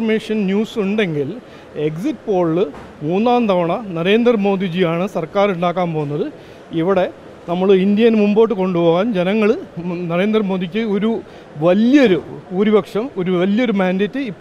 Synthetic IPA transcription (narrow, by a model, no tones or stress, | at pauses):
rmeːʂɐnnjuːsuɳɖe̞ŋɡil | e̞ksitːpo̞ːɭːɨ | muːnːaːnt̪ɐʋɐɳɐnɐɾe̞ːnd̪rɐmo̞ːd̪id͡ʑijaːɳɨsɐrkaːɾuɳɖaːkːaːmpo̞ːunːɐðɨ | iʋiɽe̞ | nɐmːɐɭind̪jɐnmumbo̞ːʈːɨko̞ɳɖupo̞ːɣaːnd͡ʑenɐŋːɐɭnɐɾe̞ːnd̪rɐmo̞ːd̪ik̬ʲːɨoɾu | ʋɐljɐɾupuːɾibɐkʂɐmo̞ɾuʋɐljɐo̞ɾumaːndɐtːɨipː